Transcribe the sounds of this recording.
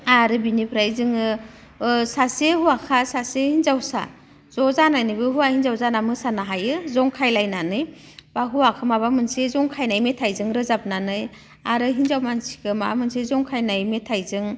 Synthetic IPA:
aɾɯbinipʰɾajzɯŋɯ | sasehuakʰasasehinzawsa̰ | zɔzanajnɯjbɯɦuwahinzawzanamɯsanaɦajɯzɔŋkʰajlajnanɯj | baɦuwakʰɯmaβamɯnsezɔŋkʰajnajmetʰajzɯŋɾɯzap̚nanɯj | aɾɯɦinzawmansi̥kʰɯma̰mɯnsezɔŋkʰajnajmetʰajzɯŋ

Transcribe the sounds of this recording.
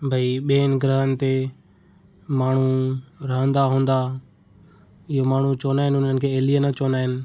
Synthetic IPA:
bʱəiɓeːnɡɾəːɦənɪ̆t̪e | maːɳ̤uɾəɦə̃nd̪aɦũːnd̪aː | ɪɦomaːɳ̤ut͡ʃoːnaːɦɪnʊn̤ənɪ̆kʰeːeːlijənət͡ʃoːnaːɦɪnɪ̆

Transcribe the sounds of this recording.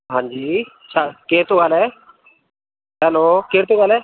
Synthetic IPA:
ɦãːɲd͡ʒiː | t͡ʃʰakeɾt̪uɡalɛ | ɦɛlokeɾt̪uɡaːlɛ

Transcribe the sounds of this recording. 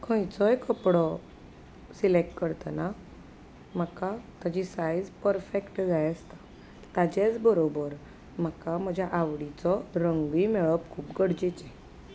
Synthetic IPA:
kʰə̃jt͡sɔjkəpɽɔ | silek̚ʈkəɾt̪əna | m̤akat̪ad͡ʑisajd͡zpəɾfekʈd͡zajəst̪ḁ | t̪ad͡ʑet͡sbəɾobəɾ | m̤akam̤əd͡ʑʱjaʔaʋɽit͡sɔɾəŋɡimeɭəpkʰuːpɡəɽd͡ʑet͡ɕɛ

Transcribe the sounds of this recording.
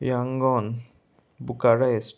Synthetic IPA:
jaŋɡɔn | bukaɾes

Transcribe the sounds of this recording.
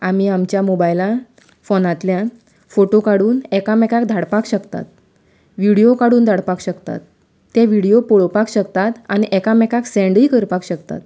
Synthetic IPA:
am̤iːamt͡ɕjamobajla | fonat̪lja | foʈokaɽuːnɛkamɛkak̚d̪ʱaɽpakɕəkt̪a̰t̪̚ | ʋiɽijokaɽuːnd̪ʱaɽpakɕəkt̪a̰t̪ː | eʋiɽijopoɭpakɕəkt̪at̪añiʔɛkamɛkaksɛ̃ɳɖiːkəɾpakɕəkt̪a̰t̪

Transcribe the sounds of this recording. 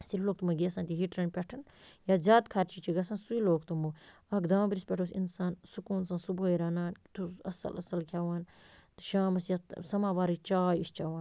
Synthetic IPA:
silloːkt̪umɐɡesãnt̪iɦiʈɾɐnpʲɛʈʰɐn | jazʲaːt̪kʰɐɾt͡ʃit͡ʃiɡɐsãːnsuiloːkt̪umu | ɐkd̪aːbɾispʲɛʈʰoːsinsaːnsukuːnsãːsuboːiɾɐːnaːnt̪ʰuɐsɐ̰lʔɐsɐlkʰʲjaːʋaːn | ʃaːmɐsjasɐmaːʋaːɾit͡ʃaːjist͡ʃaːʋãːn

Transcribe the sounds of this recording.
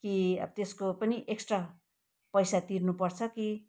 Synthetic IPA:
kiʌ̰bʌt̪eskopʌniʔeksʈra | pʌjsat̪irnupʌrt͡sʰʌki

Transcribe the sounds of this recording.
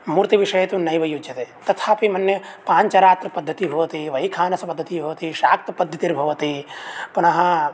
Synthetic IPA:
muːɾt̪iʋiʂɐjɐt̪unɐjʋɐjud͡ʒɐt̪et̪ɐt̪ʰaːpimɐnjɐpaːɲt͡ʃɐɾaːt̪ɾɐpɐd̪ʱːɐt̪iɦoʋɐt̪iʋɐjkʰaːnɐsɐpɐd̪ʱːɐt̪iɦoʋɐt̪iʃaːk̚t̪ɐpɐd̪ʱːɐt̪iɾbʱɐʋɐt̪ipunɐɦɐ

